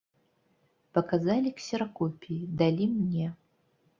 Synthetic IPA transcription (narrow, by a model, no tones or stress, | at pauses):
pɐkazalʲiksʲɛɾɐkɔpʲid̪alʲimnʲɛ